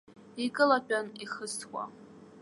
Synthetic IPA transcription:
ikʼɨlapʼaniχəstʰkʷa̰

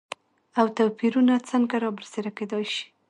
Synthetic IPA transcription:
awt̪apiɾunat͡səŋɡaɾɑbəɾseɾaked̪ɑjʃi̥

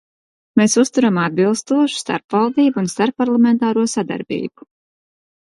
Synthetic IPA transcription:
meːsust̪uɾamad̪̚bilˠst̪uɔʃu̥st̪a̰ɾpvalˠd̪iːbunst̪aɾpːaɾlˠamɛnt̪aːɾuɔsad̪a̰ɾbḭːbu̥

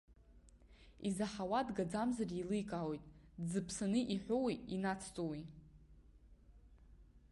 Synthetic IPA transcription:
izaħawadɡad͡zamzarilɨjkʼaːwojtʼd͡zɨpʰsanɨʔiħʷowiinat͡sʰt͡sʼowi

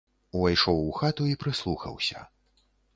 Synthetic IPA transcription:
uvajʂɔwuxat̪uipɾɨslˠuxɐ̰wsʲɐ̰

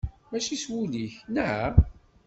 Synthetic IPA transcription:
mæʃiswuliçnəʕa

